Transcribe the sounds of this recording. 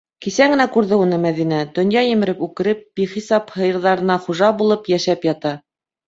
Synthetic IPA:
kisæɡɘ̆nækʉɾðɘunɤmæðinæd̪̥ɵ̆njɑjɘ̆mɘ̆ɾɘpʉkɘ̆ɾɘp̚b̥iχisɑphɤ̆jɤ̆ɾðɑɾɤ̆nɑχuʒɑbulˠɤpjæʃæpjɑt̪ɑ

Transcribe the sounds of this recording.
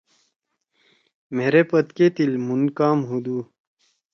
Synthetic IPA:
meːɾepɐt̪keːt̪ilmunkaːmɦud̪uː

